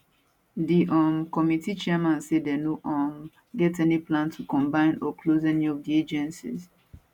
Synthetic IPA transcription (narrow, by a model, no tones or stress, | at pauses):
diʔɔmkɔmitit͡ʃɛɛmãnsedɛnoʔɔ̃m | ɡɛtɛniplãntʰukɔ̃mbãɪ̃nɔklozɛniɔvdied͡ʒɛ̃nsḭz